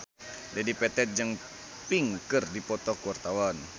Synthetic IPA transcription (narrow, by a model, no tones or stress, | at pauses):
d͡ʒadipɛt̪ɛt̪̚d͡ʒɨŋ | piŋkɨrdipɔt̪ɔtkuwart̪awan